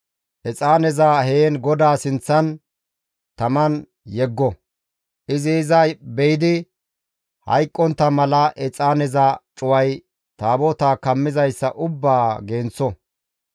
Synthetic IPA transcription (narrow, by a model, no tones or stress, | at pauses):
ʔɛt͡sʼaːnɛzaːheːnɡɔd̪aːsɪnt͡sːɐn | t̪ɐmɐn | jɛɡːɔ | ʔɪzɪːzɐbɛjɪd̪ɪ | hɐ̰jkʼːɔnt̪ːɐmɐlɐʔɛt͡sʼaːnɛzat͡ʃʼʊwɐj | t̪aːbɔt̪aːkɐmːɪzɐjsːɐʔʊbːaːɡeːnt͡sːɔ